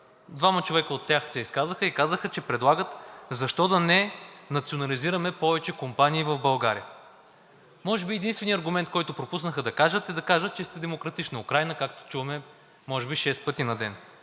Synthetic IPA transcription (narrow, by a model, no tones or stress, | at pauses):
d̪vamɐt͡ʃovɛkəot̪ːjaxsɛiskazəxəikazəxət͡ʃɛpɾɛd̪lˠaɡət̪zɐʃt̪ɔd̪ɐnɛnɐt̪sionɐliziɾɐmɛpɔvɛt͡ʃɛkompaniːvɐvbɐlˠɡaɾḭə | mɔʒɛbiɛd̪inst̪vɛniɐɾɡʊmɛnt̪̚kɔjt̪ʊpɾopus̬nəxəd̪ɐkaʒət̪ɛd̪ɐkaʒət̪̚t͡ʃɛst̪ɛd̪ɛmokɾɐt̪it͡ʃniʊkɾajnəkak̚t̪o̥t͡ʃuvɐmɛ | mɔʒɛbiʃɛspɤt̪inɐd̪ɛn